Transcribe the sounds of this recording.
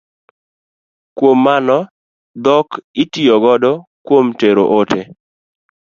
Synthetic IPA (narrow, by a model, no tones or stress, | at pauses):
kwomːanɔ | d̪ɔkɪtijɔɡɔdɔkwomteɾo̰ʔote